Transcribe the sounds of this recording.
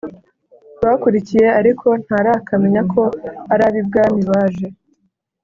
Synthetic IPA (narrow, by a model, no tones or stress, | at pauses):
twakuɾicije̞aɾikʰo̞n̥haɾakʰame̞ɲakʰo̞aɾaβib̚ɡaːmiβaːʒe̞